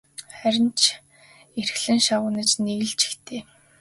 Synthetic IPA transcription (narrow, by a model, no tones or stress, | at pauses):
χæɾʲɪ̆nt͡ɕʰ | erxɮɘ̆ŋʃaʁʊːnə̆t͡ɕneɣɘ̆ɮt͡ɕi̥xt̪ʰeː